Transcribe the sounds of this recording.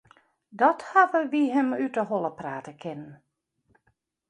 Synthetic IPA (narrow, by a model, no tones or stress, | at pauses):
dɔthaʋəʋiɦəmytəɦolˠəpraːtəkʰɪnən